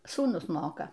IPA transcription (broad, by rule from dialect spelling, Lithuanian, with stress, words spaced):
suːˈnʊs ˈmoːkɐ